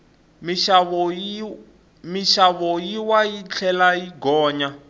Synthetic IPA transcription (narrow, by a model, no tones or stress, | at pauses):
miʃ | miʃaβɔjiwajit͡ɬʰɛlajiɡɔːɲa